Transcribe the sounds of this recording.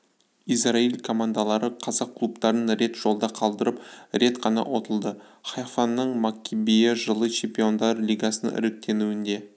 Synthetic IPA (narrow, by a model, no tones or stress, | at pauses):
ijsrailʲkʰo̞mand̪alˠɑɾəqʰɑzɑqʰːlˠupt̪ɑɾənɾe̞t̪ʒ̥o̞lˠd̪ɑqʰɑlˠd̪əɾəpɾe̞t̪qʰɑnɑ̰ʔwo̞t̪əlˠd̪əχɑjfanːəɴmakʲʰːibijɪʒəlˠət͡ʃʰe̞mpʲio̞nd̪ɑɾlʲijɡasənʔɪ̰ɾɪk̚t̪ʰe̞nuɪnd̪e̞